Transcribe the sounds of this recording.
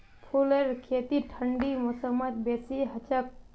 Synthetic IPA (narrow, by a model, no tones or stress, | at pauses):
pʰuleɾkʰet̪iʈʰəɳɖimɔsəmət̪̚besiɦət͡ʃak̚